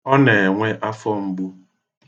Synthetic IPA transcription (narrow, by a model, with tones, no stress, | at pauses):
ɔ˦ne˨ŋʷe˦ʔa˦fɔ˦m̩˦bu˦